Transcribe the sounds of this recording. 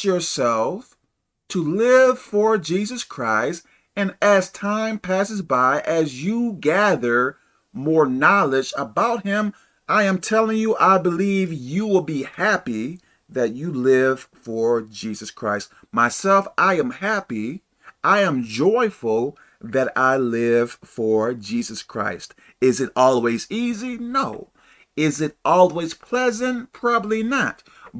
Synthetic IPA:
ə˞sɛlˠf | tʰəlɪv̥fə˞d͡ʒizɨskʰɹ̥aɪst̚ | ɨ̃nɨz̥tʰãɪ̃mpʰæsɨzbaɪʔɨzjəɡæðə˞ | mɔɹnɑlˠɪd͡ʒəbaʊt̚hɪ̃m | ʔaɪɨ̃mtʰɛlˠɪ̃ŋjəʔaɪbəlivjɨwɪlˠbihæpi | ðɨt͡ʃɨlɪv̥fə˞d͡ʒizɨskʰɹ̥aɪst̚ | maɪsɛlˠfʔaɪɨ̃mhæpi | ʔaɪɨ̃md͡ʒɔɪfl̩ˠ | ðɨɾaɪlɪv̥fə˞d͡ʒizɨskʰɹ̥a̰ɪst | ɪzɨɾɔlˠwizizinoʊ | ɪzɨɾʔɔlˠwiz̥pʰl̥ɛzɨ̃npʰɹ̥ɑbəblinət̚

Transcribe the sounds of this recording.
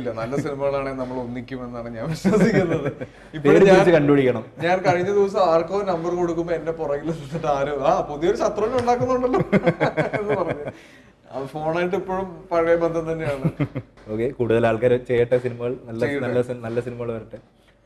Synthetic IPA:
lːɐnɐlːɐsinimɐɣɐɭaːɳenɐmːɐɭonːikʲːume̞nːaːɳɨɲaːnʋiɕʋɐsikʲːunːɐðɨ | ip̪eoːɽipaiːit͡ɕːɨkɐɳɖubɐɽikʲːɐɳɐmɲaːnkɐɻiɲːɐd̪iʋɐs̬ɐmaːɭkːoːnɐmbɐrko̞ɽukːumboenːe̞purɐɣilːɐnːiʈːaːɾoaːpoðijo̞ɾuɕɐt̪rɐʋinːuɳɖaːk̬ːunːuuɳɖɐlːo | enːɨpɐrɐɲː | ɐ̰ðɨfo̞ːɳaːjiʈ̬ːipːo̞ːɭumpɐɻɐjɐmbɐnd̪ʱɐnt̪ɐnːejaːɳɨo̞ːkːekuːɽuðɐlaːɭkaːɾɐt͡ɕejːɐʈːɐsinimɐɣɐɭnɐlːɐjnɐlːɐsinɐlːɐsinimɐɣɐɭʋɐɾɐʈːɨ

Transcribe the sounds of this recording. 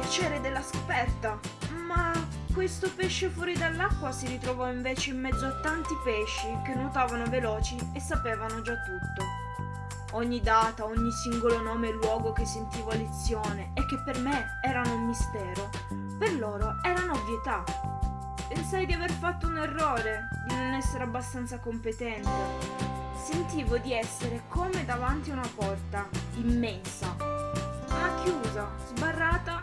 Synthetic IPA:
pjat͡ʃɛːɾed̪elːasko̥pɛrt̪ama | kːwest̪opeʃːefwɔːɾid̪alːakːwasiɾit̪ɾovɔiɱveːt͡ʃeimːɛd̪zːoat̪ːant̪ipeʃːikenːot̪aːvanovelɔːt͡ʃiesːapeːvanod͡ʒat̪ːut̪ːo | oɲːid̪aːt̪aoɲːisiŋɡolonɔːmelwɔːɡokesːent̪iːvalet̪sːjoːneːk̟ːepːerme | ɛːɾanoumːist̪ɛːɾo | perloːɾoɛːɾanovjet̪a | pensajd̪iaverfat̪ːounerːoːɾed̪inonɛsːeɾeabːast̪ant̪sakompet̪ɛnt̪e | sent̪iːvod̪iɛsːeɾekʰomed̪avant̪iaunapɔrt̪aimːɛnsa | lakːjuːzazbarːaːt̪a

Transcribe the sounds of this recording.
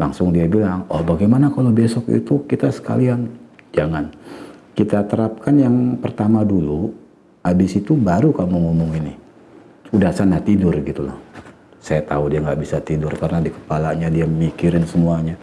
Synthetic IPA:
laŋsʊŋdiabilaŋɔhbaɡajmanakalobesɔkḭt̪ukit̪asə̥ka̰liand͡ʒaŋankit̪at̪əɾap̚kanjaŋpərt̪amadulu | abɪsit̪ubaɾukamuŋumuŋini | udahsanaht̪idʊrɡit̪ula̰h | sajat̪audiaŋɡaʔbisat̪idʊrkaɾənadikə̥palaɲadiaməmikiɾɪnsəmuaɲa

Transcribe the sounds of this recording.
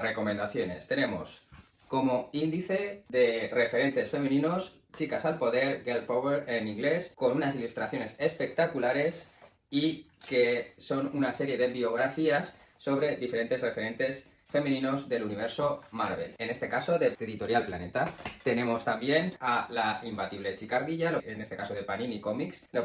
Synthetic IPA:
re̞ko̞mẽ̞nd̪aθjo̞ne̞̰st̪e̞ne̞mo̞̰s | ko̞mo̞ind̪iθe̞ðe̞re̞fe̞ɾe̞nt̪e̞sfe̞mĩnĩno̞s | t͡ʃikasalpo̞ðe̞ɾɡelpoβeɾenĩŋɡle̞sko̞nunasilust̪ɾaθjo̞ne̞se̞spe̞k̚t̪akulaɾe̞s | ike̞so̞nunase̞ɾje̞ðe̞βio̞ɣ̞ɾafiasː | o̞β̞ɾe̞ðife̞ɾe̞nt̪e̞zre̞feɾẽ̞nt̪e̞s | fe̞mĩnĩno̞zðe̞luniβe̞ɾso̞maɾβe̞̰le̞ne̞st̪e̞kaso̞ðe̞eðit̪o̞ɾjalplane̞t̪at̪e̞ne̞mo̞st̪ambje̞nalaimbat̪iβle̞t͡ʃikaɾðiʝaloenest̪ekaso̞ðe̞panĩniko̞mikslo

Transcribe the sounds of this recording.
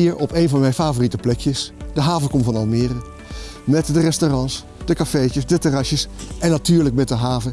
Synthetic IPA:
iːɹɔpejnvɑnmɛjfaːvoritəplɛkjəsd̥əɦaːvəkɔmvɑnɑlˠmɪːrə | mɛtdərɛstorɑns | d̥əkafejt͡ʃəsdətəraʃjəsʔɛnːatyːɹlək̚mɛt̚dəɦaːvə

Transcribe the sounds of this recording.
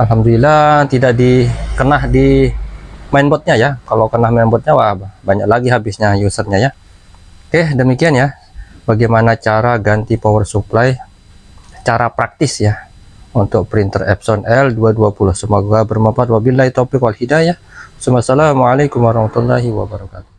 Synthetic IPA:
alɦamdulilat̪idaʔdikənahdi | mainbɔt̪̚ɲajakalokənahmainbɔt̪̚ɲawababaɲak̚laɡiɦabɪsɲajusərɲaja | kahdəmikianja | baɡajmanat͡ʃaɾaɡant̪ipawərsuplaj | t͡ʃaɾapɾak̚t̪ɪsja | unt̪ʊk̚pɾint̪ərɛ̰p̚sɔnʔɛlduaduapulʊhsəmaɡuabərməmpat̪̚wabilait̪opɪkwalhidaja | sumasalamalajkʊmwaɾahmat̪ualːaɦiwa̰baɾakat̪u̥

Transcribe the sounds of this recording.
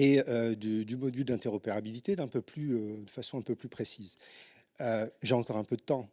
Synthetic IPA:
eød̪yd̪ymɔd̪yld̪ɛ̃t̪eʁɔpeʁabilit̪ed̪ɛ̃pøplyød̪əfasɔ̃ɛ̃pøplypχesiz | øʒeɑ̃kɔʁɛ̃pød̪ət̪ɑ̃

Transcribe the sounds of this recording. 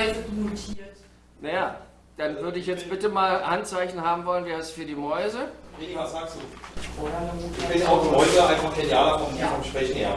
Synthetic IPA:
ɪsnotʰiːɐt | najaː | d̥anvʏɐdəɪçjɛt͡stb̥ɪtəmaːlhantt͡saɪçn̩ɦaːbm̩vɔlənveːɐɛsfyːɐdiːmɔʏzəedçvasz̥aːksd̥uːfoːhɛɐnɔɪçb̥ɪnaʊɔzəɐʔaɪnfaχfʰedjaːlafɔmifɔmʃpʁ̥ɛçn̩ḛɐ

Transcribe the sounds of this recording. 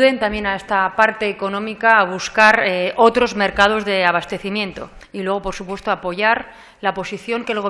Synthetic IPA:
ðe̞nt̪amje̞nae̞st̪apaɾt̪e̞ːko̞nõmikaːβ̞uskaɾʔot̪ɾo̞zmeɾkað̞o̞zðe̞aβ̞ast̪e̞θimjẽ̞nt̪o̞̰ | ilwe̞ɣ̞o̞po̞ɾsupwe̞st̪oapo̞ʝaɾ | lapo̞siθjo̞ŋke̞lɣo̞

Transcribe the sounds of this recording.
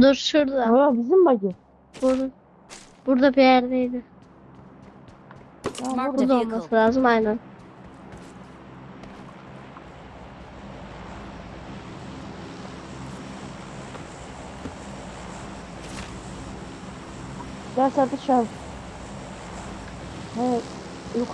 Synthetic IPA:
d̪oɾʃuɾd̪aojabizimbaɟɯ | b̥uɾd̪a | b̥uɾd̪abijæɾd̪ejd̪ɪ | akulˠd̪olˠmasɯlʲaːzɯmajnæn | d̪æɾsaɾt̪ɯt͡ʃa | hɛ | kʰ

